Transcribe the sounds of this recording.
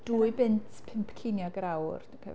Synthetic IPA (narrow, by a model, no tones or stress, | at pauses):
d̥uːɨbɪntʰpʰɪmpʰkʰɪnjɔɡɾawr | pʰɛ̰